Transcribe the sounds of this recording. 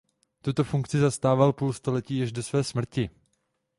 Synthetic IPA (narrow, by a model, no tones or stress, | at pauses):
t̪ut̪o̞fuŋkt͡sɪzast̪aːvalpuːlst̪olɛciːjɛʃdo̞svɛːsmr̩cɪ